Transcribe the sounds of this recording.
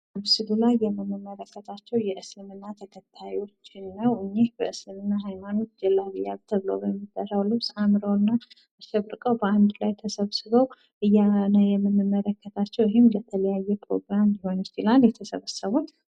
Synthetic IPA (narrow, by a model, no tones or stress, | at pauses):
βsɨβulajːɛmːɨmːɨmːələkːət̪ʰat͡ʃːɛwjɛʔɨslɨmɨnːat̪ʰəkʰət̪ʰːajo̞t͡ʃːɪnːəwɨɲːehbə̰ʔɨslɨmɨnːaɦajmano̞t̪ːd͡ʒɛlːaβija̰βt̪ʰəβɨlo̰wbəmːid̪ʼəɾawlɨβsamɨɾəwnːa | aʃəβɾɨkʼəwbəand̪lajt̪ʰəsəβsɨβəw | ʔɨjːanəjɛmːɨnːɨmːələkːət̪ʰat͡ʃːɛwjɦɪmlət̪ʰələjajːɛpʰɾo̰ɡɾamjɪho̞nt͡ʃɪlaljɛt̪ʰəsəβəsːəβut͡ʃ̪